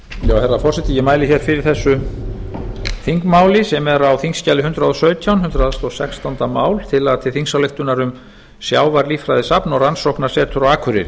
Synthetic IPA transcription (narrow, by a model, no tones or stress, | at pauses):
jaːwhɛrːafɔr̥sɛt̪ɪjɛmaːjlɪçɛːɾ̥fɪɾɪɾ̥θɛsːʏ | θiŋkmaːwlɪsɛmɛɾawθiŋscalɪɦʏnt̪ɾaðɔsœːɥt̪ʰjawnhʏnt̪ɾaðast̪ɔsɛkst̪ʰant̪amaːwlt̪ʰɪlaðt̪ʰɪlθiŋsawlɪft̪ʏnaɾʏm | sjaːwvaɾliːfɾajðɪsapnɔransowhknḁsɛːt̪ʰʏɾaaːkʰʏɾɪ̰̥